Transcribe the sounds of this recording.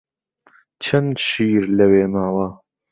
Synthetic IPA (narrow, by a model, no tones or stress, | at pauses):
t͡ʃʰɐnd̪ʃiːɾlɐweːmaːwɐ